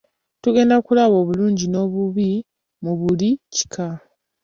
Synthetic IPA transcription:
tuɡe̞ːndakulaβo̞ːβuluːɲɟino̞ːβuβi | muβulici̥kʰa

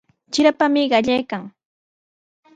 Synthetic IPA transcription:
t͡ʃɪɾapamɪɢɑʎajkaŋ

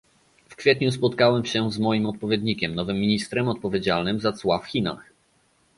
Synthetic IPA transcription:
fkfʲjɛt̪ɲuspɔt̪kawɛmɕɛzmɔjimɔt̪̚pɔvʲjed̪ɲikʲɛmnɔvɘmːʲiɲist̪ɾɛmɔt̪̚pɔvʲjed͡ʑalnɘmzat̪swafxʲina̰x

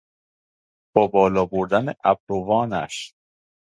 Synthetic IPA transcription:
b̥ɒːbɒːlɒːboɾd̪ænḛʔæb̚ɾovɒːnæ̰ʃ

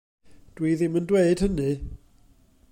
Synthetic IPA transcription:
d̥wiːðiməndweɨd̥hənɨ

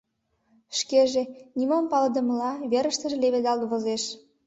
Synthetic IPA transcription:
ʃkeʒenimompɑləd̪ə̆məlɑβeɾə̆ʃt̪ə̆ʒĕleβed̪ɑlt̪βozeʃ

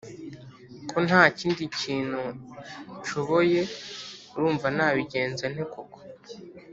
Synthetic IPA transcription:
kʰo̞nhaːciːndiciːn̥hu | ʃoβoje̞ | ɾuːɱvanaːβiɟe̞ːnzen̥e̞koko̥

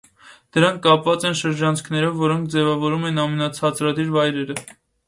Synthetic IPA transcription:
d̪̥əɾɑŋkʰːɑpvɑt͡sɛnʃəɾd͡ʒɑnt͡sʰkʰnɛɾɔvːɔɾɔŋk̚ʰd͡zɛvɑvɔɾumɛnɑmɛnɑt͡sʰɑt͡sɾɑd̪iɾvɑjɾɛɾə

